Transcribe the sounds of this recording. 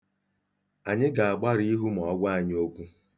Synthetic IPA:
a˨ɲɪ˦ɡa˨a˨ɡ͡ba˦ɾi˦ɦu˦m˨ɔ˨˦ɡʷa˦a˨ɲ˦o˦kʷu˦

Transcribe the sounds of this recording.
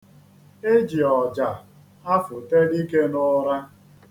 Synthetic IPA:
e˦d͡ʒi˨ɔ˨d͡ʒa˨ | a˦fʊ˨te˦di˦ke˦nʊ˦ɾa˦

